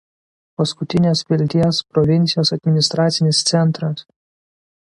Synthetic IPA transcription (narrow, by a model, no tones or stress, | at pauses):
pɐskʊt̪ʲɪnʲeːspʲɪlʲt̪ʲiɛspɾɔʋʲɪnʲt̪sʲɪjoːsɐd̪ʲmʲɪnʲɪst̪ɾɑːt̪sʲɪnʲɪst̪sʲɛnˑt̪ɾɐs